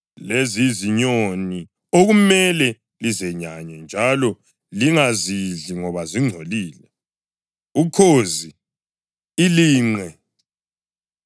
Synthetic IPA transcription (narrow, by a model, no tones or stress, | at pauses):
leziziɲoni | oɣumɛlɛ | lizɛɲaɲɔnd͡ʒʱalɔ | liŋaziɮiŋɔβaziŋ͡ǀʱoliːlɛ | ukʰoziː | liːŋ͡ǀʱɛ